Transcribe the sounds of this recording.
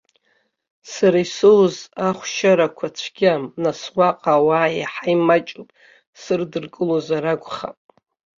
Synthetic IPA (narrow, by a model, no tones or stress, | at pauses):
saɾaisɨwzaχʷʃaɾakʷʰat͡ʃʷʰɡʲamnasʁʷaqʼawaːiħajmat͡ʃʼupʼ | sɨrdɨrkʼɨlozaɾaɡʷʼχa̰pʼ